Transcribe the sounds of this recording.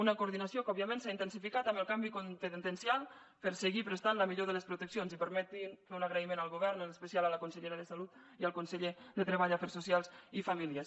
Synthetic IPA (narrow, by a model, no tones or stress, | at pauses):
unəkuɾðinasiokɔbiəmẽnsaint̪ənsifikat̪əməlˠkambikunt̪ənt̪ənsialˠ | pəɾsəɣipɾəst̪anləmiʎoðələspɾut̪əksionzipəɾmɛt̪infeunaɣɾəimenalˠɣuβɛɾnənəspəsialaləkunsəʎeɾəðəsalut̪iəlˠkunsəʎeðət̪ɾəβaʎafɛɾsusialˠzifamiliəs